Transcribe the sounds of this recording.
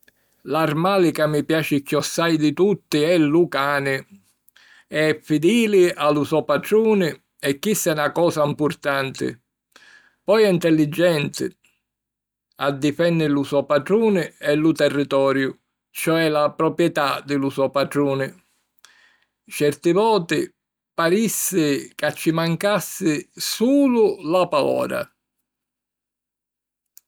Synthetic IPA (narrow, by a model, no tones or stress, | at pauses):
larmaːlɪkamːipjaːt͡ʃɪkːiɔsːajd̪ɪt̪ut̪ːiɛlukaːnɪ | ɛɛfːid̪iːlɪalusɔpaʈɾuːnɪ | ɛkːisːɛnakɔːsaimpurt̪ant̪ɪ̰ | pɔjɛint̪ɛlːid͡ʒːɛnt̪ɪ̰ | ad̪ːifɛnːɪlusɔpaʈɾuːnɪɛlut̪ɛrːit̪ɔːɾjʊ | t͡ʃɔɛlapɾɔpɾjɛt̪ad̪ɪlusɔpaʈ̪ɾuːnɪ | t͡ʃɛrt̪ɪvɔːt̪ɪ | paɾisːɪkat͡ʃːimaŋkasːɪsuːlʊlapaɔ̰ːɾa̰